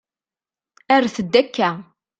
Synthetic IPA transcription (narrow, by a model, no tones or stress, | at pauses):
æɾθəd̪ːækːæ